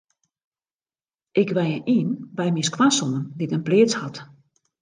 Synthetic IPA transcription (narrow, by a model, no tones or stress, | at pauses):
ʔɪkʋɛjəʔiːnbɛjmiskwasonənditənplɪːət͡shat